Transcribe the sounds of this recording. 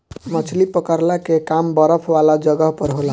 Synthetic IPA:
mʌt͡sʰlipʌkaɾlakekambʌɾʌpʰwalad͡zʌɡʌɦpʌɾɦola

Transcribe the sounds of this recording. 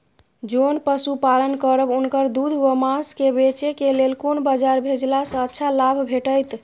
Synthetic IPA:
d͡ʒonpəsupalənkəɾəbunkəɾd̪ud̪ʱʋəmãskebet͡ʃekelelkonbəd͡ʒaɾbʱed͡ʒlasə̃ətːʃʰalabʱbʱeʈəjt̪

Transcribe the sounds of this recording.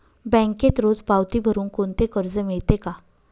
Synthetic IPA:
bɛ̃ŋket̪ɾod͡zpawt̪ibʱəɾuːnkont̪ekəɾd͡zəmiɭt̪eka

